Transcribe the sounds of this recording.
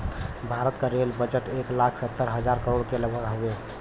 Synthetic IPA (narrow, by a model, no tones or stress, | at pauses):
bʱaɾət̪kəɾelbəd͡ʒəʈeklakʰsət̪ːəɾɦəd͡ʒaɾkəɾoɽkeləbʱəkɦowe